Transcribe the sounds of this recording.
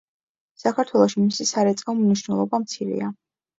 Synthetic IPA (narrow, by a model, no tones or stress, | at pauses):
sakʰaɾt̪ʰwɛlˠɔʃimisisaɾɛt̪sʼavmniʃnɛlˠɔbamt̪sʰiɾɛ̰a